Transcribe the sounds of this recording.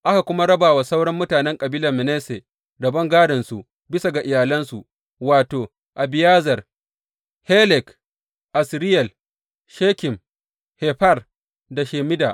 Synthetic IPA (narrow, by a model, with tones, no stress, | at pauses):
ʔa˦ka˨kʷʊ˦ma˦ɽɐ˦baː˨wa˨sa˦wɽɔ˦mːʊ˦taː˨nɛ˦ŋkʼɐ˨biː˦lɐ˨mɪ˨neː˦se˨ | dɐ˨bɐ˦ŋɡaː˦dɐ˨nsu˨ʔ | bɪ˦sa˨ɡa˨ʔɪ˨jaː˨lɐ˦nsu˨ʔ | waː˨toː˨ | ʔa˨bɪ˨jaː˦zɐ˨r | heː˦lɛ˨k | ʔa˨sɾɪ˦jɛ˨l | ʃeː˦kʲɪ˨m | heː˨ɸɐ˦r | da˨ʃeː˨mɪ˦daː˨ʔ